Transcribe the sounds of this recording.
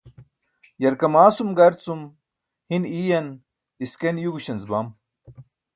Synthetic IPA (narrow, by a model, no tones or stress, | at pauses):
jɐɾkɐmaːsumɡɐɾt͡sum | hiniːjɐn | iskenjuɡuɕɐnzbɐm